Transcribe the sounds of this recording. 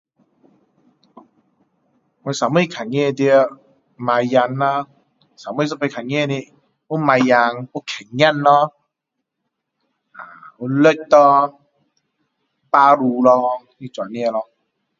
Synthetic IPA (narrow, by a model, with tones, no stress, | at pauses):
mu˧sa˨˦mi˥˧˨kʰa˨˩ŋɛ˧˨˧t̪i˧ə˧ | ma˧jja˧nːa˧ | sa˨˦mu˧˨s̬ɔ˧pe˧kʰa˨˩ŋɛ˧˨˧ni˧ | u˦ma˧jja˧ŋu˦kʰɛ˨˩ŋɲa˥˧˨nːɔ˧ | a̰˨u˧˦lə˧˨t̪ɔ˧ | paː˦˧ɾu˧lɔ˧ | nĩ˧˨t͡swa˨ni˧ə˧˨lɔ˧